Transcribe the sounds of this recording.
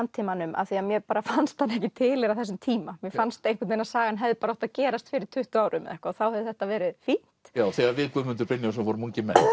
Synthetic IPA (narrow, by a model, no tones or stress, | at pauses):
nt̪ʰiːmanʏma̰θiaðmjɛpaːɾafanst̪θanːɛhcɪt̪ʰɪːlɪɾawθɛs̬ʏmt̪ʰiːmamjɛfanst̪ejŋkɪt̪nenasaːɣanɦɛvðɪpaɾɔht̪aðcɛːɾast̪fɪːɾɪɾ̥t̪ʰʏht̪ʏaːwɾʔʏmːɛ̰ðɛhkaɔθawhɛðʏθɛht̪avɛːɾɪðfin̥t̪jaːwθɛːɣavɪːkʏmːʏnt̪̬ʏɾpɪnjasvɔɾmuɲcɪmɛn